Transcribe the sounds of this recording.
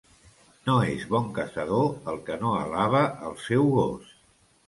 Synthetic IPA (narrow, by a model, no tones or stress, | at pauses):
noezβɔŋkəsəðoəlˠkənoə̰laβ̞əʔəlˠsɛwɣos